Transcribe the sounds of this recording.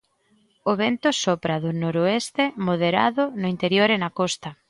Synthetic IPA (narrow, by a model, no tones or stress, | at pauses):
ʊβent̪ʊsɔpɾaðʊnoɾoest̪emoðeɾa̰ðʊnʊint̪eɾjoɾenakɔst̪ɐ